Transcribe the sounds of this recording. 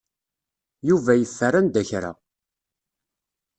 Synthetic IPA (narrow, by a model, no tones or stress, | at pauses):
juvæjəθːərand̪æçɾa̰